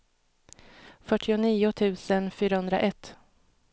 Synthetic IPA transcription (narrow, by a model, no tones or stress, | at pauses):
fœʈʰːɪʊniːʊt̪ʰʉ̟ːsənfyːɾahɵnd̪ɾa̰ʔɛt̪ː